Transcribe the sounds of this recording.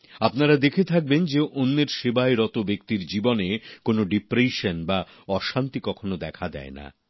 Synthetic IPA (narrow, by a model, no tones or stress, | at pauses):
apnaɾad̪ekʰet̪ʰak̚bend͡ʑeʔonːeɾʃebaeɾɔt̪obekt̪iɾd͡ʑibonekonoɖipɾeʃonba | ɔʃant̪ikɔkʰonod̪ɛkʰad̪ɛ̰ena̰